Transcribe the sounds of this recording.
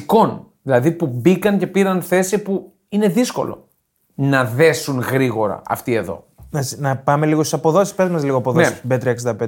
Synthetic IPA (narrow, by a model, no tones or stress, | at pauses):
ko̞nðilɐðipubikɐnce̞piɾɐnθe̞sipu | ine̞ðisko̞̰lo̞̰ | nɐðe̞sunɣɾiɣo̞ɾɐ̰ɐ̰ft̪ie̞ðo̞̰ | nɐsnɐpɐmeliɣost̪isɐpo̞ðo̞ssispeɾzmɐzliɣoɐpoðossbet̪ɾiɐksind̪ɐpe